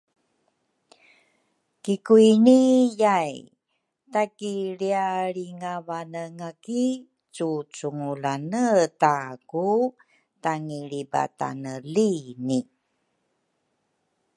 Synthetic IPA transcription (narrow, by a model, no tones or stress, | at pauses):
kikuinijaj | takiliaɭiŋavanəŋaki | t͡sut͡suŋulanətaku | taŋiɭiba̰ta̰nəlini